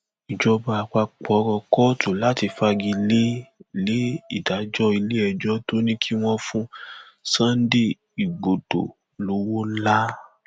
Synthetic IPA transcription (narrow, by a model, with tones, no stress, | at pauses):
i˨d͡ʒɔ˧ba˧a˧k͡pa˧k͡pɔ˨˦ɾɔ˧kɔ˦tʰo˨la˦ti˧fa˧ɡi˧le˦le˨˦i˦˨da˨˦d͡ʒɔ˦i˧le˦ɛ˧˨d͡ʒɔ˦to˦nĩ˦kʰi˦w̃ɔ̃˦fũ˦ | sã˦n̩˦di˦ | i˨ɡ͡bo˨to̰˨ | lo˨˦wo˦la˦